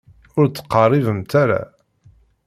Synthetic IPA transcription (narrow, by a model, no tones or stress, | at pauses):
ʊɾt͡sːə̥qːɑrˤːivəmt̪aɾa̰